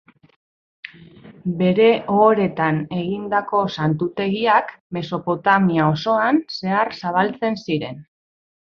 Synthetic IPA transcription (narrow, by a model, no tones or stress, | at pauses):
be̞ɾe̞ʔoɾe̞t̪ane̞ɣind̪ako̞sant̪ut̪e̞ɣiakme̞so̞po̞t̪amiao̞so̞anse̞aɾsaβ̞alt͡se̞nsiɾe̞̰n